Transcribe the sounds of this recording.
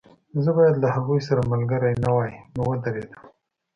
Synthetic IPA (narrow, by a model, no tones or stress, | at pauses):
zəbɑjad̪lahaɣujsaɾamalɡəɾajnawajnowəd̪aɾed̪əm